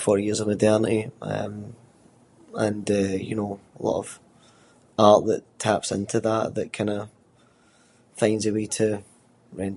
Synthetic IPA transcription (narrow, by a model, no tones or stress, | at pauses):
fɔɹjiɹzəvmədɛɹnəʔiʌ̰̃m | ə̃nəjɨ̰noəlˠɔ̰ʔə̰v̥ | aɹʔðətʰapsɪ̰̃ntʰəðəʔðəʔkʰãɪ̃ndə | fãɪ̃nzɪwetʰə | ɹɛ̃n